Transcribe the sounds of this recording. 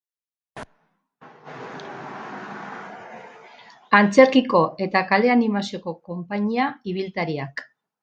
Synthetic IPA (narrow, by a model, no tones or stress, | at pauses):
ant͡se̞ɾkiko̞e̞t̪akale̞animasio̞ko̞ko̞mpaɲiaiβ̞ilt̪aɾiak